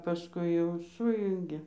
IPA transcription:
pɐˈskʊɪ jɛʊ ˈsʊjʊŋʲɡʲeː

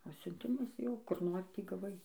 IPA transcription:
oː sʲʊnʲˈtʲɪmɐs ˈjɛʊ kʊr ˈnoːrʲɪ ˈtʲiː ɡɐˈʋɐɪ

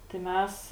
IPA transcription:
tɐɪ ˈmʲɛs

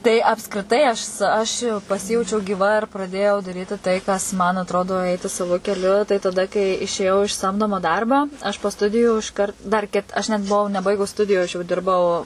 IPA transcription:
tɐɪ ɐpskrʲɪˈtɐɪ ˈɐʃs ˈɐʃ ɪ pɐˈsʲɪjɛʊt͡ʃʲɛʊ ɡʲiːˈʋɐ ɪr prɐˈdʲeːjɛʊ dɐˈrʲiːtʲɪ tɐɪ kɐs mɐn ɐtˈroːdoː ˈɛɪtʲɪ sɐˈʋʊ kʲɛˈlʲʊ tɐɪ tɐˈdɐ kɐɪ ɪʃʲeːˈjɛʊ ɪʃ ˈsɐmdoːmoː ˈdɐrboː ɐʃ poː ˈstʊdʲɪjuː ɪʃˈkɐrt dɐr ˈkʲɪt ɐʃ nʲɛt bʊˈʋɐʊ nʲɛˈbɐɪɡʊs ˈstʊdʲɪjʊ ɐʃ jɛʊ ˈdʲɪrbɐʊ

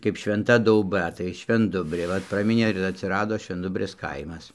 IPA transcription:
kɐɪp ʃʲʋʲɛnˈtɐ dɐʊˈbɐ tɐɪ ʃʲʋʲɛnˈdʊbʲrʲeː ˈʋɐt ˈprɑːmʲɪnʲeː ɪr ɐtʲsʲɪˈrɑːdoː ʃʲʋʲɛnˈdʊbʲrʲeːs ˈkɐɪmɐs

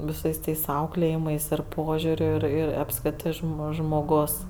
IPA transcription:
ʋʲɪˈsɐɪs ˈtɐɪs ˈɐʊklʲeːjɪmɐɪs ɪr ˈpoːʒʲuːrʲʊ ˈɪr ˈɪr ɐpsˈkrʲɪtɜ ˈʒmoː ʒmoːˈɡoːs

